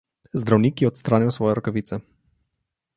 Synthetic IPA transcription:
zd̪ɾawnʲikiɔt̪st̪ɾanʲɔwsvɔjɛɾɔkɔvʲit̪sɛ

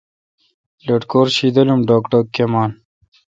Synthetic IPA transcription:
lɐʈkoːɾɕid̪ɐlumɖoːkʈɐkemaːn

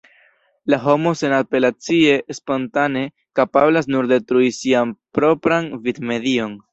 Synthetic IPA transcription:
laɦo̞mo̞se̞nape̞lat͡sie̞spo̞ntane̞ | kapablas̬nuɾde̞tɾuisianpɾo̞pɾanvidme̞dio̞n

